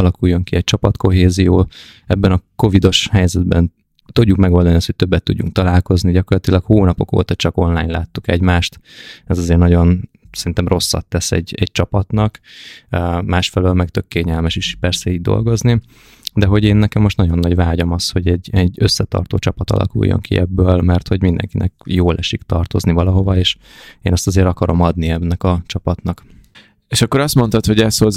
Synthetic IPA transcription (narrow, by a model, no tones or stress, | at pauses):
ɒlɒkujːo̞ŋkiɛc̚t͡ʃɒpɒt̪ko̞ɦeːzijoː | ɛbːɛnɒko̞vid̪o̞ʃhɛjzɛd̪bɛn | t̪uɟːukmɛɡo̞ːld̪ɒniɒst̪hot̚ʲt̪øbːɛt̪ːuɟːṵŋkt̪ɒlaːlko̞zniɟɒko̞rlɒt̪ilɒkhoːnɒpo̞ko̰ːt̪ɒt͡ʃɒko̞nlaːjɲla̰ːt̪ːukɛɟmaːʃt̪ɛzɒzeːrnɒɟo̞n | sɛɾint̪ɛmro̞sːɒ̰t̪ːɛsɛ̰ɟːɛɟ̚t͡ʃɒpɒt̪nɒkː | maːʃfɛløːlmɛkt̪ø̞kːeːɲɛlmɛʃiʃpɛrsɛiːɟ̚d̪o̞̰lɡo̞zni | d̪ɛɦo̞ɟeːnːɛkɛmːo̞ʃt̪nɒɟonːɒɟvaːɟɒmɒsho̞ɟɛɟːɛɟːø̞sːɛt̪ɒ̰rt̪o̰ːt͡ʃɒpɒt̪ɒ̰lʔɒ̰kṵjːo̰ŋkʰḭʔɛbːøːlmɛrt̪ho̞ɟmind̪ɛ̰ŋkinʔɛ̰kjoːlʔɛʃikt̪ɒrt̪o̞̰znivɒlɒɦo̞vɒeːʃ | eːnɛst̪ɒzeːɾɒkɒɾo̞mɒd̪niɛmnɛkɒt͡ʃɒpɒt̪nɒk | eːʃɒkːo̞ɾɒst̪mo̞nt̪ɒt̪ho̞ɟɛshoz